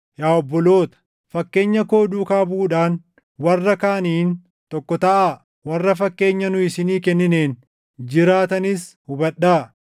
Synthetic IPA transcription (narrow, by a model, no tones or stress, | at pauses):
jaːɔbːɔlo̞ːt̪ɐ̥ | fɐkːe̞ːɲːɐko̞ːd̪uːkaːbuːᶑaːn | wɐrːɐkaːniːn | t̪ɔkːɔt̪ɐʔaː | wɐrːɐfɐkːe̞ːɲːɐnʊɪsɪniːkɛnːɪne̞ːn | d͡ʒɪɾaːt̪ɐnɪs | hʊbɐᶑːaː